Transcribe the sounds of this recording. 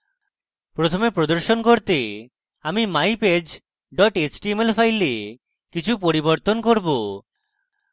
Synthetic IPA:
pɾot̪ʰomepɾod̪oɾʃonkoɾt̪e | amimajped͡ʑ | ɖɔʈet͡ɕʈiemelfʰajle | kit͡ɕʰupoɾiboɾt̪onkoɾbo

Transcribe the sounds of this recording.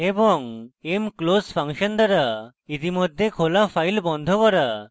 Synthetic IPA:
ebɔŋemklospʰaŋʃɔnd̪aɾa | it̪imɔd̪ʱːekʰolapʰajlbɔnd̪ʱɔkɔɾa

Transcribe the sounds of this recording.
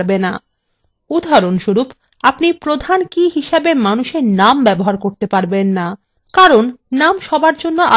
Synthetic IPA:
bena | ud̪ʱaɾonʃuɾup | apnipɾod̪ʱankiɦiʃabemanuʃeɾnambɛboɦaɾkoɾt̪epaɾbenːa | kaɾonːamʃɔbaɾd͡ʑonːoʔa

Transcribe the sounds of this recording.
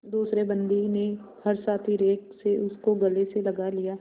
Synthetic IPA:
d̪uːsɾebɐ̃nd̪ine | hɐɾsaːt̪ʰiɾeːkseʊskoɡɐleselɐɡalijaː

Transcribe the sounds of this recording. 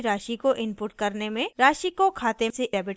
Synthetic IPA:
ɾaːʃikoʔɪmpuːʈ̚kɐɾnemẽɾaːʃikokʰaːt̪eseɛːbɪʈ

